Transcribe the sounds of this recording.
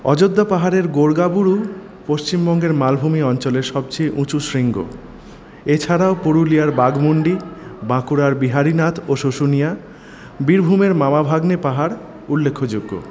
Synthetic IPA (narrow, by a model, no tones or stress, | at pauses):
ɔ̰d͡ʑod̪ːapaɦaɾeɾɡoɾɡabuɾu | poʃt͡ɕimbɔŋɡeɾmalbʱumiɔnt͡ɕoleɾʃɔb̚t͡ɕejʔũt͡ɕuʃɾiŋɡo̰ | et͡ɕʰaɾaopoɾulijaɾbaɡmoɳɖibakuɾaɾbiɦaɾinat̪ʰoʃoʃunija | biɾbʱumeɾmamabʱaɡnepaɦaɾ | ulːekʰːod͡ʑoɡːo̰